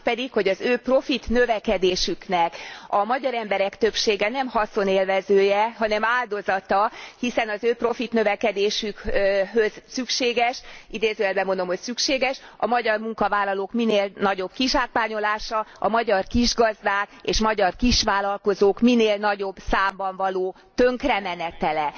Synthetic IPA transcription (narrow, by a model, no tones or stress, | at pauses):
pɛd̪ikho̞ɟɒzøːpro̞fit̪nøvɛkɛd̪eːʃyknɛkɒmɒɟɒɾɛmbɛɾɛkt̪ø̞pʃeːɡɛn̪ɛmhɒso̞neːlvɛzøːjɛɦɒnɛmaːld̪o̞zɒt̪ɒhisɛnɒzøːpro̞fit̪nø̞vɛkɛd̪eːʃykɦø̞z̥sykʃeːɡɛʃid̪eːzøːɛlbɛmo̞nd̪o̞mho̞csykʃeːɡɛʃɒmɒɟɒrmuŋkɒvaːlːɒloːkmineːlnɒɟo̞b̥kiʃaːkʋaːɲo̞laːʃɒɒmɒɟɒrkiʒɡɒzd̪aːkeːʃmɒɟɒrkiʃʋaːlɒlko̞zoːkmineːlnɒɟo̞bsaːmbɒɱvɒloː | t̪øŋkrɛmɛnɛt̪ɛlɛ